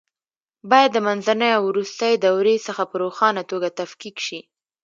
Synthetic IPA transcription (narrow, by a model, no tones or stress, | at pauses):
bɑjad̪ːəmanzanəjawɾust̪əjed̪awɾesəxapəɾoxɑnat̪oɡat̪afkikʃi